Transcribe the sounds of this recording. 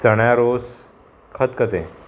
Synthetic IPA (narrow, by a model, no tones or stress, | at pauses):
t͡səɽjaɾos | kʰət̪kət̪ẽ